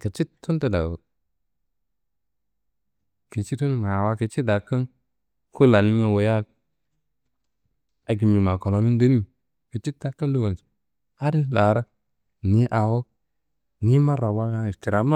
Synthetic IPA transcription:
kə˨t͡ʃi˦tʰːu˦ntə˨da̰˨wo˨ | ki˨t͡ʃi˦tu˦ŋa˨wa˦kə˨t͡ʃi˦da˨kːə˦n | ku˦la˨ni˦ma˦˨wo˨ja˦k̚ | a˨ɡi˨mi˨ma˨ko˨lo˨mi˦n˦di˦ni˦ | kə˨t͡ʃi˦tːa˦kːə˦ndu˦ɡa˨s | a˦ɾi˦la˨ɾa˦ | ni˦ʔa˨wo˦ | ni˦ma˦ɾa˨wa˦ɡa˦i˨ti˨ɾa˨ma˦

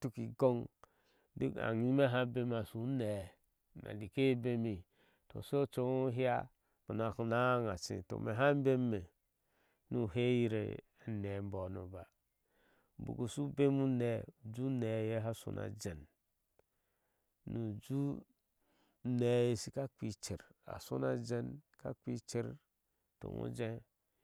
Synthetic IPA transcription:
tu˦ki˨ɡo˦ŋ | di˦a̰˨ŋi˦me˦ɦa˦be˦ma˨su˨˦ne˨ | na̰˨li˨ke˦be˦mi˨ | to̰˨so˦t͡ʃo˦o˦ɦi˦a̰˦ | bo˨n˨a˨ku˨na˦ŋa˨t͡ʃḭ̃˨to̰˨mḛ˨ɦa˦m˦be˦mː˦e˨ | nu˨ɦe˦ji˦ɾḛ˨ | ne˨˦m̩˦bo˨no̰˨ba˨ | bṵ˨ɡu˨su˦be˦mu˦ne˨d͡ʒu˦ne˨je˦ɦa˦sṵ˨nʔa̰˨d͡ʒe˨n | nu˨d͡ʒu˦ | ne˨je˨si˦ka˦ki˨t͡ʃi˨ɾa̰˨su˦na˨d͡ʒe˦nka̰˦ki˦t͡ʃi˦ɾ | to̰˨ŋõ̰˦d͡ʒe˦

